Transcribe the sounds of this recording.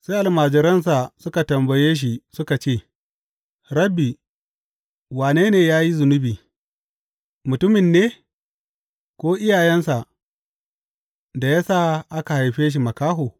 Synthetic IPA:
se˦ʔa˨lmaː˨d͡ʒɪ˦ɾɐ˦ns̬a˨sʊ˦ka˨tɐ˨mbɐ˨jeː˦ʃ̬i˨sʊ˦ka˨t͡ʃeː˦˨ | ɾɐ˦bːiː˨ | waː˨neː˦neː˨jaː˦ji˦zʊ˨nʊ˦biː˨ | mʊ˨tʊ˦mɪ˨nːeː˦ | kʷoː˦ʔɪ˦jaː˨jɛ˦nsa˨ | da˨jaː˦saː˦˨ʔa˦ka˨ha˨jɸeː˦ʃ̬i˨mɐ˨kaː˦ɦoː˨

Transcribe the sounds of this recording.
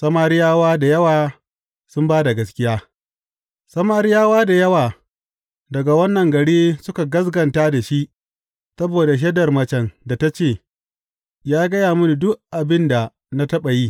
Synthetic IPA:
sɐ˦maː˦ɾɪ˦jaː˦waː˦da˨jɐ˦waː˨ | sʊ˦mbaː˦da˨ɡɐ˦skʲɪ˦jaː˦ | sɐ˦maː˦ɾɪ˦jaː˦waː˦da˨jɐ˦waː˨ | dɐ˨ɡa˨wɐ˦nːɐ˨ŋɡɐ˨ɽiː˦sʊ˦ka˨ɡɐ˦s̬ɡɐ˨ntaː˦da˨ʃi˦ʔ | sɐ˦boː˨da˨ʃ̬ɛ˦dɐ˨rmɐ˨t͡ʃɛ˨nda˨ta˦t͡ʃeː˦˨ | jaː˦ɡɐ˦jaː˨mʊ˦ni˨dʊ˦ʔʔa˨bɪ˦nda˨ | na˦tɐ˦ɓa˨jiː˦

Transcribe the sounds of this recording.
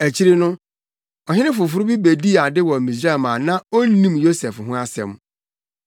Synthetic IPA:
æ˨t͡ɕʰi˦ɾi˦nʊ̃˦ | ɔ˨ɦɪ̃˦nɪ̃˦fʊ˨fʊ˨ɾʊ˦bi˦be˨di˦a˨dɪ˦wɔ˨mĩ˨sɾa˦˨mã˨nã˦o˦n˦nĩ˦mjo˦sɛ˨fɦʊ̃˦a˦sɛ̰˨m

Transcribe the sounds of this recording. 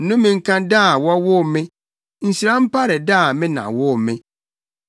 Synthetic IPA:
n̩˦nʊ̃˦mɪ̃˨ŋ̩˦kʰã˦daː˦˨wɔ˦wʊ˦˨mɪ̃˦ | n̩˨si˨ɾã˦m̩˦pʰa˦ɾɪ˨daː˦˨mɪ̃˦nã̰˨wʊ˦˨mɪ̃˦

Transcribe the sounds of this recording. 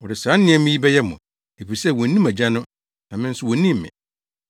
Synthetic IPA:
wɔ˨ɾɪ˨sãː˨˦nɪ̃˦ɛ˦mɪ̃˦ji˦bɛ˦jɛ˦mʊ̃˨ | e˨fi˨sɛ˦˨wɔ̃˨˦nĩ˦mæ˨d͡ʑa˦nʊ̃˦ | nã˨mɪ̃˦n̩˦sʊ˦wɔ˨nĩ˦m̩ː˨ɪ̰̃˨

